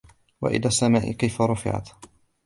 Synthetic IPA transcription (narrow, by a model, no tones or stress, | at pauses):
wa̰ʔɪ̰laːsːamaːʔɪ̰kajfaɾˤʊfɪ̰ʕa̰t̪